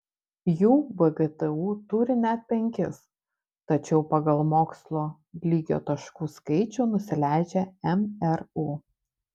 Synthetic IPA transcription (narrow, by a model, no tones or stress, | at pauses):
juːbɛɡɛt̪ɛuːt̪ʊɾʲɪnʲɛt̪̚pʲɛŋʲkʲɪs | t̪ɐt͡ʃʲɛʊpɐɡɐlˠmoːkslˠoː | lʲiːɡʲo̰ːt̪ɐʃkuːskɐɪt͡ʃʲuːnʊsʲɪlʲæˑɪd͡ʒʲɛɛmɛɾuː